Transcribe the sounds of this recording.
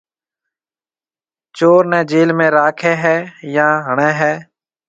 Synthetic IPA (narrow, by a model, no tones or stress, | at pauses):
t͡ʃoːɾnɛ̃ːd͡ʒeːlmẽːɾaːkʰɛːɦɛːjãːɦəɳɛːɦɛː